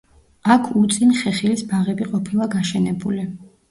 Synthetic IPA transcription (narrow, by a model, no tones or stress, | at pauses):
akʰut̪sʼinχɛχilisbaʁɛbiqʼɔpʰilˠaɡaʃɛnɛbuli